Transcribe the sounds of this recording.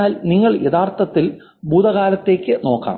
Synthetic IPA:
aːlniŋːɐɭjeðaːrt̪ɐt̪ːil | buːd̪ɐɣaːlɐt̪ːe̞ːkʲːɨno̞ːkːa̰ːm

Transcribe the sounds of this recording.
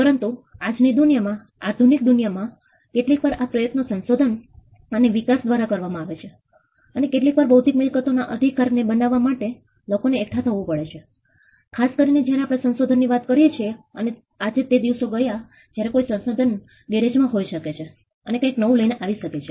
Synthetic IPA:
pəɾənt̪uad͡ʒnid̪unijamã | aɾd̪ʱunik̚d̪unijamã | keʈlikʋaɾapɾəjət̪nosənsod̪ʱən | əneʋikasd̪ʋaɾakəɾʋamãaʋet͡ʃʰe | ənekeʈ̬likʋaɾbəɦut̪ikmɪlkət̪onaʔəd̪ʱikaɾnebənaʋːamaʈe | lokoneːk̚ʈʰat̪ʰəʋũpəɭet͡ʃʰe | kʰaskəɾined͡ʒjaɾeapɽ̃esənsod̪ʱənːiʋat̪kəɾjet͡ʃʰieəne | ad͡ʒet̪ed̪iʋsoɡəja | d͡ʒjaɾekojisə̃nsod̪ʱən | ɡeɾed͡ʒmãɦojʃəket͡ʃʰe | ənekãjknəʋũləjneʔaʋiʃəket͡ʃʰe

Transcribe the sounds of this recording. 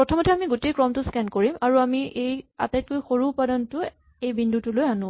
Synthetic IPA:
pɹɔtʰɔmɔtʰɛamiɡotejkɹɔmtʊskɛnkoɹimaɹuamiʔeja̰tajt̚kojxoɹuːpadɔntʊ | ejbindʱutʊlojanʊ̃

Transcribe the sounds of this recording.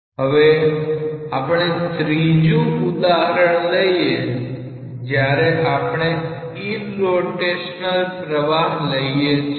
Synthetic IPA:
ɦəʋe | apɽ̃et̪ɾid͡ʒũʊd̪aɦəɾəɳ̃ləie | d͡ʒjaɾeʔapɳ̃e | i | loʈeʃnəlpɾəʋaɦləiet͡ʃʰ

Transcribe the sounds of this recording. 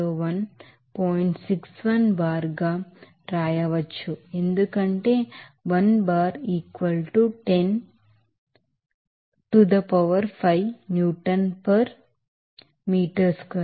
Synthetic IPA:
oːʋɐn | poːjiɳʈsiksʋɐnbaːɾɡaː | ɾaːjɐʋɐt͡ʃːue̞nd̪ukɐɳʈeːʋɐnbaːɾiːkʋɐlʈuʈen | ʈud̪ɐpɐʋɐɾpʰɐjnjuːʈɐnpɐɾ | miːʈɐɾskɐ

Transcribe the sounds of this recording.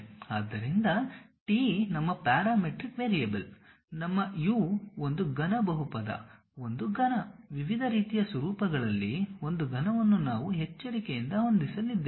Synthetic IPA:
aːd̪ːɐɾind̪ɐʈiːnɐmːɐpaːɾaːmeʈɾikʋeːɾijɐbɐl | nɐmːɐjuːo̞nd̪uɡɐnɐbɐɦupɐd̪ɐ̰ | o̞nd̪uɡɐnɐʋiʋid̪ʱɐɾiːt̪ijɐsɐɾuːpɐɡɐɭɐlːio̞nd̪uɡɐnɐʋɐnːunaːʋuɦet͡ʃːɐɽikejind̪ɐɦo̞nd̪isɐlːid̪ːe

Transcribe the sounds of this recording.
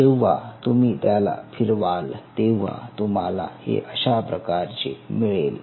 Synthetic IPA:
ewʋa̰t̪umiːt̪jala̰fʰiɾʋalt̪eʋ̤a̰t̪um̤ala̰hḛʔəɕapɾəkaɾt͡ɕemiɭel

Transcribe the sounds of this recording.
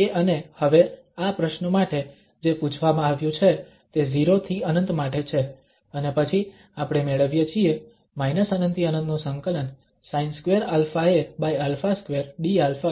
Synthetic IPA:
eʔənehəʋe | apɾəʃnəmaʈe | d͡ʒeput͡ʃʰʋamãaʋjũt͡ʃʰe | t̪eziɾot̪ʰiənənt̪maʈet͡ʃʰe | ənepət͡ʃʰi | apɽ̃emeɭəʋjət͡ʃʰie | mainəsənə̃nt̪iənənd̪nũsə̃ŋkələn | sainskʋeɾalfaebajalfaskʋeɾɖialfa

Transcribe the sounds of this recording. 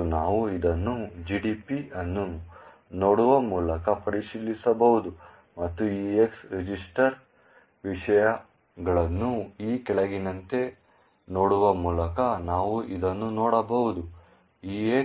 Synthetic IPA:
unaːʋuid̪ɐnːud͡ʒiːɖiːpiɐnːu | noːɽuʋɐmuːlɐkɐpɐɾiʃilːisɐbɐʋud̪u | mɐt̪ːuiːeksɾed͡ʒisʈɐɾ | ʋiʂɐjɐ | ɡɐɭɐnːuiːkɛɭɐɡinɐnt̪e̞ | noːɽuʋɐmuːlɐkɐnaːʋuʔid̪ɐnːunoːɽɐbɐʋud̪u | iːe

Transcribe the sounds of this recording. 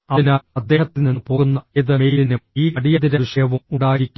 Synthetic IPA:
ɐðinaɐd̪ːe̞ːhɐt̪ːininːɨpo̞ːɣunːɐiðɨmejlinɨiːkɐɽijɐðiɾɐʋiʂɐjɐʋumuɽaːjiɾikʲːu

